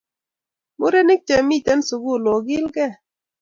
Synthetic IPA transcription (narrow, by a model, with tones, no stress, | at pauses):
mʊ˦ɾɛ˦nɪ˦k̚t͡ʃa˨mi˦˨tɛ˦nsu˨ɡu˦˨lo˨ɡɪ˦lɡɛ˦˨